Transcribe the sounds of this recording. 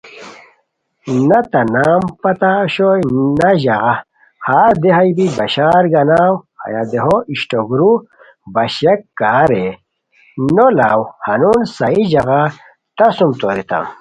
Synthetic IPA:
nɐt̪ɐnaːmpɐt̪aɕojnɐʑaɣa | haːd̪eɦajbibɐɕaːɾɡɐnaːwhɐ̰jad̪eɦoiɕʈoɡɾu | bɐɕekːaːɾe | nolaːwhanunsaid͡ʑɐɣa | t̪ɐsumt̪oɾit̪a̰m

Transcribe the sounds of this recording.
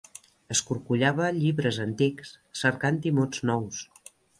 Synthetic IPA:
əskuɾkuʎaβəʎiβɾəzənt̪ikssəɾkant̪imod͡znɔws

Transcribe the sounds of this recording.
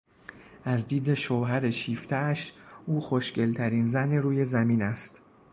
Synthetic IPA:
ʔæzd̪iːd̪e̞ʃoːɦæɾeʃiːft̪ʰææʃuːxoʃce̞lt̪ʰæɾiːnzæneɾuːje̞zæmiːnæst̪

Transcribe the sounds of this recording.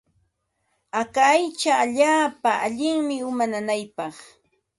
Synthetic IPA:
akaːjt͡ʃaːʎaːpaaʎɪŋmɪʊmananajpɑχ

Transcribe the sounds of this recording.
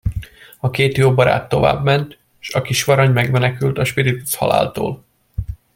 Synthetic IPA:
ɒkeːt̪joːbɒɾa̰ːt̪ːo̞va̰ːbmɛnt̪ | ʃɒkiʃʋɒɾɒɲmɛɡmɛnɛkylt̪ɒʃpiɾit̪u̥shɒ̰la̰ːlt̪o̰ːl

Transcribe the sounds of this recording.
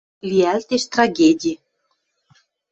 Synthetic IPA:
lʲiælt̪eʃt̪raɡʲedʲi

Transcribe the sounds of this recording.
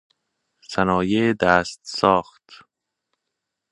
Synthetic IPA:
sænɒːjed̪æːst̪sɒːxt̪

